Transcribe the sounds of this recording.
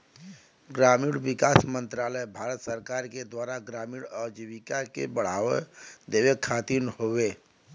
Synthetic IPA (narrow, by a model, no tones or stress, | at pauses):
ɡɾamiɽbikasmənt̪ɾaləjbʱaɾət̪səɾkaɾked̪waɾaɡɾamiɽəd͡ʒiβikakḛbəɽ̤a̰ʋed̪eβekʰːat̪inhobe